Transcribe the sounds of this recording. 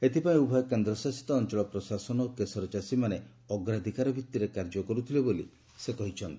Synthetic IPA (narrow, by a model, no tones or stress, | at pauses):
et̪ʰipaĩubʱɔjɔkend̪ɾɔsasi̥t̪ɔːnt͡ʃɔɭɔpɾɔsasɔnɔokesɔɾɔt͡ʃasimane | ɔɡɾad̪ʱikaɾɔbʱit̪ːiɾekaɾd͡ʒɔkɔɾut̪ʰilebolḭ | sekɔɦit͡ʃʰɔnt̪i